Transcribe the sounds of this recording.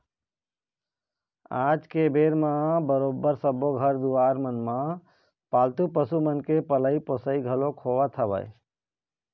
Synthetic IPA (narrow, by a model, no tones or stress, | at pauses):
ad͡ʒkebeɾmãbəɾobːəɾsəboɡʱəɾd̪uaɾmənmã | palt̪upəsumənkepələiposəiɡʱəlokʰoʋət̪ʰəbə̰j